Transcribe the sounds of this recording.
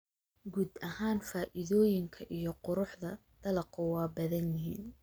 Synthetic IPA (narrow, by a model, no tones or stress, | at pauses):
ɡuːd̪ɐhaːnfaːʔɪðɔːjɪŋkʰɐʔijɞqʊɾʊħðɐd̪̥ɐlɐqʊwɑːbɐðɐnjɪɦḭːn